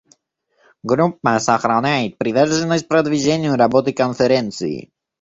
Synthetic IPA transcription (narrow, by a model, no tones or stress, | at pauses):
ɡɾup̚ːasaxɾanʲait̪̚pɾivɛɾʒɛnɔsʲt̪̚ʲpɾɐd̪viʒɛnʲijuɾabɔt̪ikonfɛɾɛnt̪sɨ̰ḭ